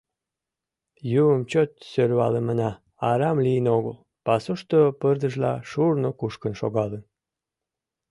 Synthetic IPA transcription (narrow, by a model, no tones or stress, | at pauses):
juəmt͡ɕot̪̚sølβɑlemənɑ | ɑɾɑmlijənoɣəl | pɑsuʃt̪opərd̪əʒlɑ̰ʃurnokuʃkənʃo̰ɣɑlən